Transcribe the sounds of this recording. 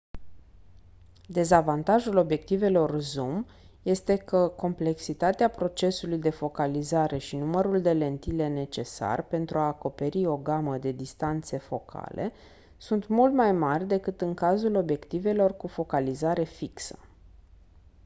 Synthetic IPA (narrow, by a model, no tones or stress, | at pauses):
d̪e̞zavant̪aʒulo̞bje̞k̚t̪ive̞lo̞rzum | je̞st̪e̞kəko̞mple̞ksit̪at̪eapɾo̞t͡ʃe̞sulujd̪e̞fo̞kalizaɾe̞ʃinuməɾuld̪e̞le̞nt̪ile̞ne̞t͡ʃe̞sa̰rpe̞nt̪ɾuaːko̞pe̞ɾio̞ɡaməd̪e̞d̪ist̪ant̪se̞fo̞kʰa̰lʔe̞ | sunt̪mult̪majmarʲd̪e̞kɨt̪ɨŋkazulo̞bje̞kt̪ive̞lo̞rkufo̞kalizaɾe̞fiksə̥